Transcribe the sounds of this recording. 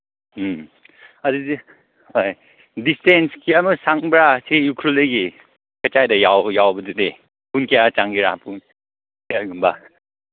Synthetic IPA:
ɐdudi | hoj | distenskiɐmusaŋbɾasiukʰɾulejɡi | kɐt͡ʃajdɐjawjawbɐdude | punkʰijat͡ʃaŋɡiɾa̰pʰun | kiaɡumba

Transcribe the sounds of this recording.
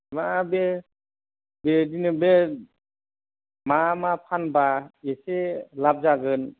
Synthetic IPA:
mabe | bedinɯbe | mamapʰanbaeselap̚zaɡɯn

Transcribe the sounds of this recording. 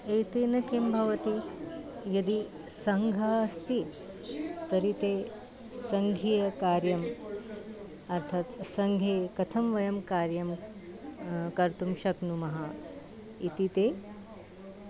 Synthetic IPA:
eːt̪eːnɐkeːmbʱɐʋɐt̪i | jɐd̪i | sɐŋɡʱɐɐst̪i | t̪ɐɾit̪eː | sɐŋɡʱijɐkaːɾjɐm | ɐɾt̪ʰat̪sɐŋɡʱeːkɐt̪ʰɐmʋɐjɐmkaːɾjɐm | kɐɾt̪umʃɐknumɐɦɐ | it̪it̪eː

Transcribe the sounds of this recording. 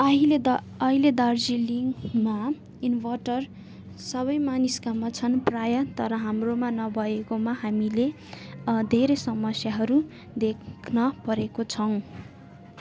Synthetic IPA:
ʌɦil | ʌɦiled̪ard͡ziliŋma | inwʌʈʌr | sʌβʌjmaniskamːat͡sʰʌnprajʌt̪ʌɾʌɦamromanʌbʱʌekomaɦamile | d̪ʱeɾesʌmʌsjaɦʌɾu | d̪ekʰkʰnʌpʌɾekot͡sʰʌw̃

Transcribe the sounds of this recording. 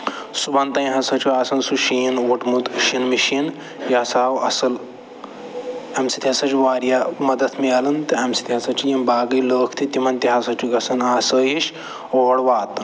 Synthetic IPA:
subant̪ɐj̃ɦɐsɐt͡ʃuaːsɐnsuʃiːnʋɐʈmut̪ʃinmiʃin | jɐɐsaːwɐsɐl | ɐmsi̥t̪ʰʲiɦɐsɐt͡ʃuʋaːɾjamɐd̪ɐt̪ʰmiɐlɐnt̪ɨɐmsi̥t̪ʰʲiɦɐsɐt͡ʃijɐmbaːɡɐjləːkʰt̪ʰit̪imɐnt̪iɦɐsɐt͡ʃuɡɐsɐnaːsəɦiʃ | oːɽʋaːt̪ɨ

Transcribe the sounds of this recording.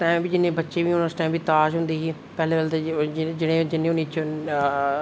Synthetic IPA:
ʈãːmbid͡ʒɪnẽbɐtːʃebiʊnəsʈãɪmbʱit̪aːʃɦʊ̃nd̪iɦiː | pɛɦleʋəlt̪d͡ʒɪɽ̃ẽd͡ʒɪnẽʊnit͡ʃʰo

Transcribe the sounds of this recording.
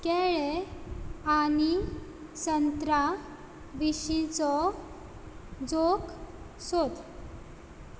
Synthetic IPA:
keɭe | ani | sənt̪ɾa | ʋiɕit͡sɔ | d͡zok | sod̪

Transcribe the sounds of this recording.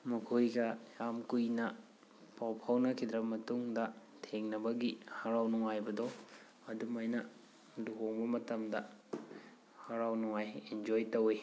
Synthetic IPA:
mukʰojɡɐjamkujnɐ | pawpʰawnɐkʰid̪ɾɐbɐmɐtuŋdɐ | tʰeŋnɐbɐɡihɐɾawnuŋajbɐdo | ɐdumajnɐ | luɦoŋbɐmɐtɐmdɐ | hɐɾawnuŋajend͡ʒojtɐwi

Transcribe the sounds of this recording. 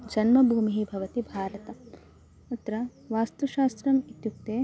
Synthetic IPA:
d͡ʒɐnmɐbʱuːmiɦibʱɐʋɐt̪ibʱaːɾɐt̪ɐ | ut̪ːɾɐ | ʋaːst̪uʃaːst̪ɾɐmit̪juk̚t̪eː

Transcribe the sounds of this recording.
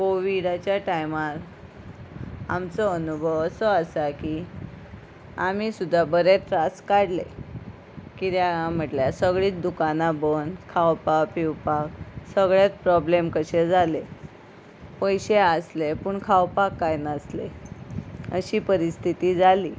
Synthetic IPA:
koʋiɽat͡ɕjaʈajmaɾ | amt͡sɔənubʱəʋəsəəsaki | amisud̪ʱːabəɾet̪ɾaskaɽle | kit̪jaam̤əʈljasəɡɭiːt̪d̪ukanabənkʰawpapiwpaksəɡɭjat̪̚pɾɔblemkəɕed͡zʱale | pəjɕeəslepuːɳkʰawpakːajnəsle | ə̰ɕiːpəɾist̪ʰit̪iːd͡zaliː

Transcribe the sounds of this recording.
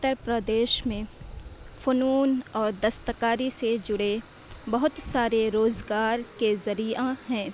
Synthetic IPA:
t̪ːəɾpɾəd̪eːʃmẽ | fonuːnɔːɾd̪ɐst̪əkaːɾised͡ʒʊɽe | bɐɦʊt̪saːɾeɾoːzɡaːɾkezɐɾijahɛ̃ː

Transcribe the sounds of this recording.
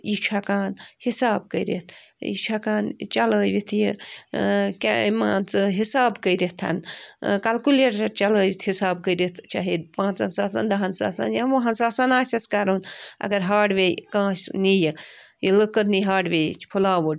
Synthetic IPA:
it͡ʃʰakaːnhisaːb̚kəiɾet̪ʰjḭt͡ʃʰakaːnt͡ʃɐləːjʋit̪ʰji | kʲamaːnt͡sɨɦisaːbkəiɾit̪ʰɐ̰nkɐlkuleʈɐɾt͡ʃɐləːʋit̪ʰhisaːbkəiɾit̪ʰt͡ʃʰa̰ɦiːd̪̚pãːt͡sɐnsaːsa̰nd̪ɐɦɐnsa̰ːsa̰njaʋɐɦɐnsaːsaːnaːsʲɐskɐɾonɐ̰ɡɐɾɦaːʈʋekãːsnijijiləkəɾniɦaːʈʋet͡ʃʰpʰulaːʋoɖ

